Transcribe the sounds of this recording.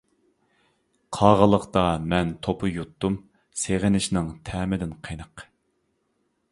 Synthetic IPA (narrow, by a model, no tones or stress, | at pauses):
qʰɑːʁəlˠəqt̪ɑmɛnt̪ʰopʰʊjut̪ːum | seʁɪnɪʃnɪŋt̪ʰɛːmɪd̪ɪnqʰənəq